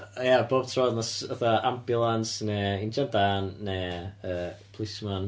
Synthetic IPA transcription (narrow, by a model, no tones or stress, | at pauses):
jaboːb̥̚tʰrɔːðnɔsəθaambjʊlˠansnɛɪnd͡ʒadaːnːɛəːpʰlˠɪsman